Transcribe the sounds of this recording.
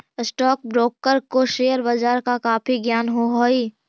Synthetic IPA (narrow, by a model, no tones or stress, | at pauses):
ɪsʈɔːk̚bɾoːkːəɾkoʃeːjəɾbad͡ʒaːɾkakaːpʰiɡjaːnɦoɦoiː